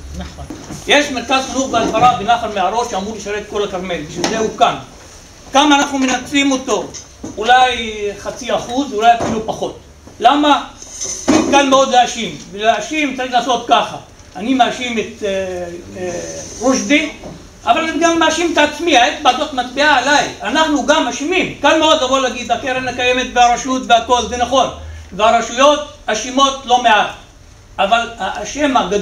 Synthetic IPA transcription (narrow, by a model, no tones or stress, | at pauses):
naχonjeʃmeʁkazxinuχbeadvaɾabenaχanmeaɾo̞tʃeamuʁleʃaʁet̪̚ko̞lakaʁme̞lbiʃvilzehukan | kamaːnaχnumenat͡slimo̞to̞ | ulajχat͡siaχuzulajafilupaχo̞t̪ | lama | emkanmeo̞d̪leaʃimveleaʃimt͡saɾʁiχlaːso̞t̪kaχaː | nimeaʃimet̪ | ʁuʃdi | avalaimɡamːeaʃimet̪aːt͡smiaetbad̪ot̪mat̪biaːlajanaχnuɡamaʃimimkalmeo̞d̪lavolaɡid̪hakeɾenhakaje̞me̞t̪veaɾaʃut̪veako̞lvenaχo̞nveaʁaʃujo̞t̪aʃimo̞t̪lo̞me̞at̪ | avalaʔʃemaɡad